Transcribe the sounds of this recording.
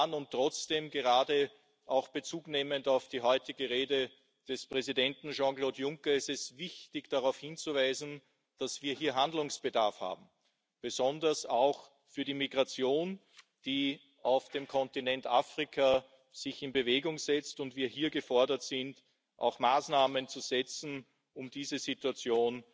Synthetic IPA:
nʊnttːʁ̥ɔt͡sd̥eːmɡəʁaːdə | ʔaʊxb̥ət͡suːkneːməntaʊfd̥iːɦɔʏtɪɡəʁeːdə | d̥ɛspʁ̥ɛzidɛntn̩ʒɑ̃ːkloːtjʊŋkɐɪstɛsvɪçtɪçd̥aʁaʊfhɪnt͡suvaɪzn̩ | d̥asv̥iːɐhiːɐɦandlʊŋsb̥ədaɐfha̰ːbm̩ | b̥əzɔndɐsaʊx | fyːɐɾimiɡʁat͡sjoːn | d̥iː | ʔaʊfd̥eːmkʰɔ̃ntinɛntʔaːfʁ̥ikʰa | z̥ɪçɪnbəveːɡʊŋz̥ɛt͡stʊntv̥iːɐɦiːɐɡəfɔɐdɐtz̥ɪnt | ʔa̰ʊxmaːsnaːmənt͡suz̥ɛt͡sn̩ | ʊmd̥iːzəzituat͡sjoːn

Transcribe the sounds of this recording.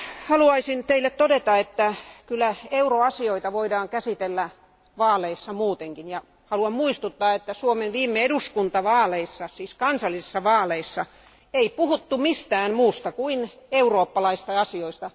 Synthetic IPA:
hɑluɑisint̪eilːet̪t̪odet̪ɑet̪ːækylːˑæeuroɑsioit̪ɑʋoidɑːŋkæsit̪elːæ | ʋɑːleisːɑmuːt̪eŋkinjɑ | hɑluɑmmuist̪ut̪ːɑːet̪ːæsuomenʋiːmːeeduskunt̪ɑʋɑːleisːɑsiːskɑnsɑlːˑisesːɑʋɑːleisːɑ | eipuhut̪ːumist̪æːnmuːst̪ɑkuineuroːpːɑlɑist̪ɑɑsioist̪ɑ

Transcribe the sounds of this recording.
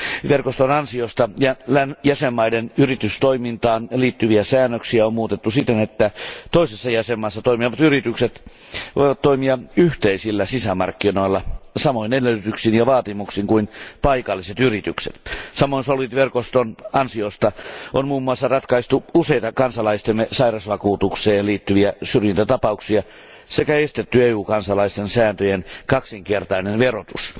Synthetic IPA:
ʋerkost̪onɑnsiost̪ɑjɑlænjæsemːɑidenyrit̪yst̪oimint̪ɑːnliːt̪ːyʋiæsæːnːøksiæommuːt̪et̪ːusit̪ːenet̪ːæt̪oisesːɑjæsemːɑːsːɑt̪oimiʋɑt̪yrit̪ykset̪ | ʋo̰ijʋɑt̪toimiɑyht̪eisilːæsisæmɑ̰rkːinoilːɑsɑmoinelːøyyt̪yksinjɑʋɑːt̪imuksiŋkuinpɑikɑlːiset̪yrit̪yksḛt̪sɑmoinsolʋit̪ʋerkost̪onɑnsiost̪ɑʔonmuːmːuɑsːɑrɑt̪kɑist̪uuseit̪ɑkɑnsɑlɑist̪emːesɑirɑsʋɑkuːt̪ukseːnliːt̪ːyʋiæsyrjint̪æt̪ɑpɑuksiɑ | sekæest̪et̪ːyeːuːkɑnsɑlɑist̪ensæːnt̪øjenkɑksiŋkert̪ɑinenʋerot̪us

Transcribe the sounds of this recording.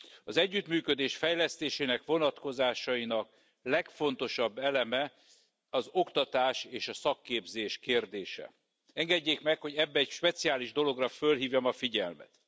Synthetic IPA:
ɒzɛɟːyt̪myːkød̪eːʃfɛjlɛst̪eːʃeːnɛkʋo̞nɒt̪ko̞zaːʃɒinɒk | lɛkfo̞n̪t̪o̞ʃɒbːɛlɛmɛ | ɒzo̞kt̪ɒt̪aːʃeːʃɒsɒkːeːbzeːʃkeːrd̪eːʃɛ̰ | ɛŋɡɛɟːeːkmɛkho̞ɟɛbːɛɛcʃpɛt̪siaːliʒd̪o̞lo̞ɡrɒfølɦiːvjomɒfiɟɛ̰lmɛ̰t̪

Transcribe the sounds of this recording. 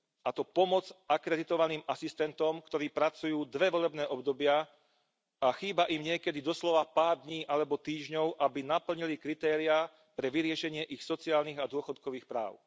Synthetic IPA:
ʔat̪ɔpɔmɔd͡zakɾɛd̪it̪ɔʋaniːmasist̪ɛnt̪ɔmkt̪ɔɾiːpɾat͡sujuːd̪ʋɛʋɔlɛbnɛːʔɔbd̪ɔbɪa | axiːbaʔimɲɪɛkɛd̪id̪ɔslɔʋapaːɾd̪ɲiːʔalɛbɔt̪iːʒɲɔʊʔabinapl̩ɲilikɾit̪ɛːɾia | pɾɛʋiɾɪɛʃɛɲɪɛʔixsɔt͡siaːlniɣad̪ʊɔxɔt̪kɔʋiːxpɾa̰ːʊ

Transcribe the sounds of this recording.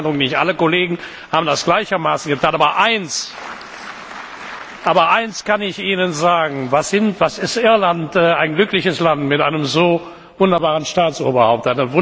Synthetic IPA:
ndəʁʊŋnɪçtʔa̰ləkoleːɡŋ̩ | haːbm̩n̩dasɡ̥laɪçɐmaːsn̩ɡətʰaːnʔaːbɐʔaɪns | ʔaːbɐʔaɪnskanɪçʔiːnənzaːɡŋ̩vasɪntv̥asɪstʔɪɐlantɛaɪnɡlʏklɪçəslantmɪtʔa̰ɪnəmzoː | vʊndɐbaːʁənʃtaːt͡sʔo̰ːbɐhaʊp̚tʔaɪnɐvʊ

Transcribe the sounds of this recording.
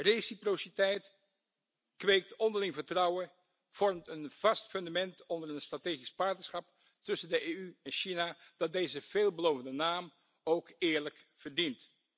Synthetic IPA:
rejsiprositɛjt | kʋejk̚tɔndəlɪŋvəɹtrɑwə | v̥ɔɹmtənv̥ɑstfɵndamɛntɔndəɹənstrateːχispɑɹtnəsχɑp | tɵsəndəʔeːyɛnʃinad̥ɑt̚dejzəv̥eːlˠbəlowvəndənaːm | owkɪːɹlək | v̥əɹdint

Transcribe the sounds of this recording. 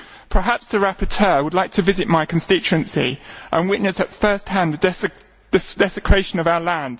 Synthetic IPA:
pʰəɦapsðəɹapətʰɜːwədˡlaɪk̚tʰəvɪzɪʔmaɪkʰə̃nstɪt͡ʃʉə̃nsḭʔə̰̃nwɪʔⁿnəsətfɜˑst̚hæ̃nðəd | d̥əsd̥ɛsɪkʰɹ̥eɪʃə̃nəvaʊəlæ̃nd̥

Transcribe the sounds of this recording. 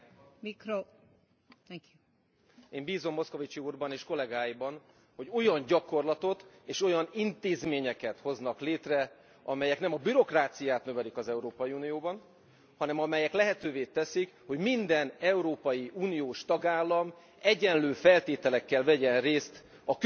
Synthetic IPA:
mikɾo | kju | eːmbiːzo̞mːo̞sko̞vit͡ʃiuːrbɒneːʃko̞lɛɡaːjibɒn | ho̞ɟo̞jɒɲɟɒko̞rlɒt̪o̞t̪eːʃo̞jɒnint̪eːzmeːɲɛkɛt̪ho̞znɒkleːt̪rɛ | ɒmɛjɛknɛmɒbyɾo̞kraːt̪sijaːt̪nøvɛlikɒzɛuɾoːpɒjiuːnijoːbɒn | hɒnɛmɒmɛjɛklɛɦɛt̪øːveːt̪ɛsikho̞ɟmind̪ɛnɛuɾoːpɒjiʔuːnijoːʃt̪ɒɡaːlːɒm | ɛɟɛnløːfɛlt̪eːt̪ɛlɛkːɛlvɛɟɛnreːst̪ | ɒk

